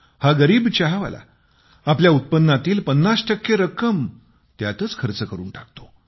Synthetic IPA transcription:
haɡəɾiːbt͡ɕaɦaʋa̰la̰ | apljaut̪̚pənːat̪iːlpənːasʈəkːeɾəkəm | t̪jat̪ət͡skʰəɾt͡səkəɾṵːnʈak̚t̪o̥

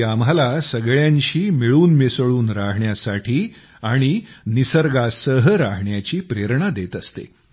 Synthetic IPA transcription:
am̤alasəɡɭjãɲɕiːmiɭuːnmesɭuːnɾaɦɳjasaʈʰiː | aɽ̃inisəɾɡasəɦəɾaɦɳjat͡ɕiːpɾeɾɳad̪et̪əst̪ḛ

